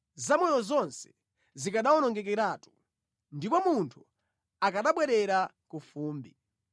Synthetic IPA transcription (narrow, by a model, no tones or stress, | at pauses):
zamɔjɔzɔnsɛ̥ | zikaɗawɔnɔŋɡɛk̬ɛɾaːtu̥ | ndipɔmuntʰu | akaɗaɓwɛɾɛɾa | kufuːmbi